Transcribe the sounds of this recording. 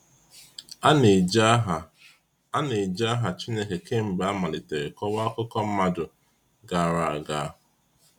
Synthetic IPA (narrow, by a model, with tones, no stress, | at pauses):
ne˨d͡ʒa˦a˦ɦa˨t͡ʃi˦ɲe˦ke˨ke˦m̩˨ba˦ma˨lɪ˨te˨ɾe˨kɔ˦wa˦kʊ˦kɔ˦m̩˦ma˦dʊ˨ | ɡa˨a˨ɾa˨ɡa˨ɦʊ˨